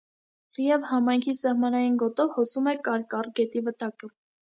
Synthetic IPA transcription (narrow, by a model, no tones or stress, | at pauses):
rijɛvhɑmɑjŋkʰisɑhmɑnɑjinɡɔt̪ɔvhɔsumɛkɑɾkɑrɡɛt̪ivət̪ɑkə